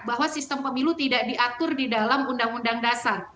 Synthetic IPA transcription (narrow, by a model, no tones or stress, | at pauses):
baɦwasist̪əmpəmilut̪idaʔdiʔat̪ʊrdidalamundaŋundaŋdasar